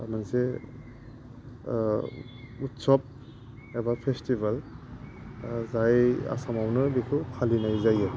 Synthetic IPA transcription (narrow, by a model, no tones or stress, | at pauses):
amanse | utsɔp̚ | ɛbapʰestibal | zaja̰samawnɯdikʰukʰalinajzaja